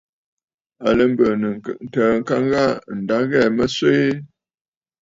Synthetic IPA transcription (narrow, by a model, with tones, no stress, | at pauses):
a˨lə˨˦m˦bə˨nə˨ə˨n̩˨təː˨˦ŋ̩˦ka˦ŋɣa˦˨n̩˨da˨˦ɣɛ˦˨mə˦swe˦e˦